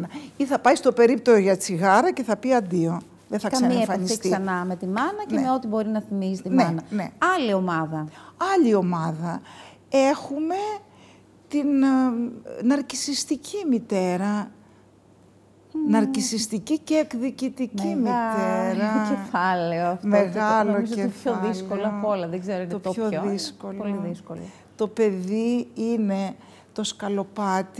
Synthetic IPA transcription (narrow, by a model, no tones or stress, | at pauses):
ɐiθɐpɐjst̪o̞pe̞ɾip̚t̪oʝɐt͡siɣɐɾɐce̞θɐpiɐnd̪io̞ | ðeθɐksɐɐieefɐnisitksiɐnɐmet̪imɐnɐcemeo̞t̪ibo̞ɾinɐθimisit̪inmeɐnɐne̞̰ɐlio̞mɐðɐɐʎio̞mɐðɐ | e̞xume̞ | t̪in | nɐɾcisist̪icʰimit̪e̞ɾɐ | nɐɾcisist̪iciceːkðicit̪icimit̪eɾɐefɐleoɐfmeɣɐloepçoðikoloɐpolɐðeɡzeɾonopçoðisko̞loðiskol | t̪o̞pe̞ðiine̞ | t̪o̞skɐlo̞pɐt̪i